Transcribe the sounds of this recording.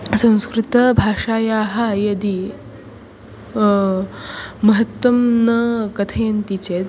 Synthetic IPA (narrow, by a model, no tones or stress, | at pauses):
sɐ̃w̃skɾit̪ɐbʱaːʂaːjaːɦajɐd̪i | mɐɦɐt̪wɐmnɐkɐt̪ʰɐjɐnt̪it͡ɕe